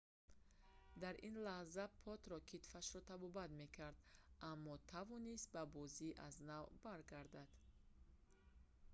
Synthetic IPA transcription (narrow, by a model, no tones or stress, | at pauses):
d̪aɾʔinlahzapʰɔt̪ɾɔkʰit̪faʃɾɔt̪ʰabɔbat̪me̞kʰaɾd̪amːɔt̪ʰavɔnist̪̚babɔziʔaznavbaɾɡaɾd̪ad̪̥